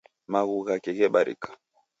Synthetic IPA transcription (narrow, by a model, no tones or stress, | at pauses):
maɣuɣakɛɣɛɓaɾḭkḁ